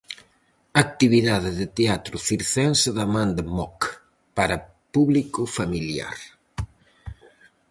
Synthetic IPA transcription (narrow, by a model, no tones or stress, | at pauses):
ak̚t̪iβiðaðɪðɪt̪eat̪ɾʊfiɾθɛnsɪðamãnd̪emɔk | paɾɐ | puβlikʊfamilja̰ɾ